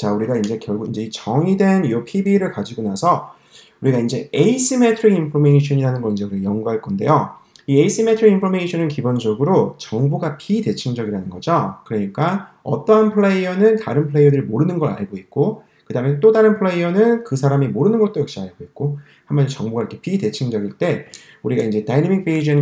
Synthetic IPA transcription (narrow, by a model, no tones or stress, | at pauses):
t͡ɕauɾiɡaind͡ʑe̞kjʌɭɡuind͡ʑe̞it͡ɕʌŋidwe̞niopʰibiɾɯɭkad͡ʑiɡonasʰʌ | uɾiɡaind͡ʑe̞eis͈ʰime̞tʰɯɾiimpʰomeiɕʰʌɲiɾanɯnɡʌind͡ʑeuɾiɡajʌŋɡuɦaɭk͈ʌnde̞̰jo | ieis͈ʰimetʰɯɾiimpʰome̞iɕʰʌnɯnkibond͡ʑʌɡɯɾot͡ɕʌŋbuɡapʰide̞t͡ɕʰimd͡ʑʌɡiɾanɯnɡʌd͡ʑokɯɾʌɲik͈aʌ̰t͈ʌɦanpʰɯɭeiʌnɯntaɾɯnpʰɯɭe̞jʌdɯɭmoɾɯnɯnɡʌɾa̰ɭɡoit̚k͈o | kɯdament͈odaɾɯnpʰɯɭeiʌnɯnkɯsʰaɾamimoɾɯnɯnɡʌt͈̚ojʌk̚ɕ͈iaɭɡoit̚k͈o | hambʌnt͡ɕʌŋbuɡaɾʌkʰepʰide̞t͡ɕʰiŋd͡ʑʌɡiɭt͈e̞ | uɾiɡaind͡ʑe̞tainemik̚p͈eid͡ʑin